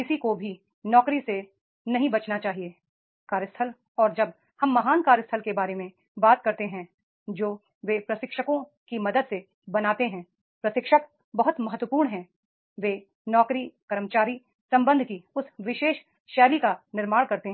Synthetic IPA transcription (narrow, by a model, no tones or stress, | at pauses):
kɪsikobʱi | nɔːkɾise | nɐɦĩbɐt͡ʃnat͡ʃaːɦieː | kaːɾjəst̪ʰəl | ɔːɾd͡ʒɐb̚ | hɐmːɐɦaːnkaːɾjəst̪ʰəlkebaːɾemẽ | baːt̪̚kɐɾt̪eɦɛ̃ | d͡ʒoː | ʋeːpɾɐsɪkʃəkõkimɐd̪əd̪se | bɐnaːt̪eɦɛ̃ | pɾɐsɪkʃək̚ | bɐɦʊt̪mɐɦət̪ːwəpuːɾɳɦɛ̃ | ʋeː | nɔːkɾikɐɾəmt͡ʃaːɾi | sɐ̃mbə̃nd̪ʱkiʊsʋɪʃeːʃ | ʃɛːlikanɪɾmaːɽkɐɾt̪eɦ